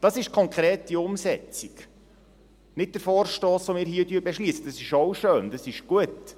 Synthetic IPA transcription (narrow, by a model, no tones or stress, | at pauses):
d̥ɑsɪʃkʰɔŋkʰɾeːtdiʊmsɛt͡sik | nɪt̚d̥̪əɾfoːɾʃtoːsʋomɪːɾɦiətyːɾbɛʃliːsəd̥ɑsɪʃowʃøːnd̥ɑsɪʃɡ̥uət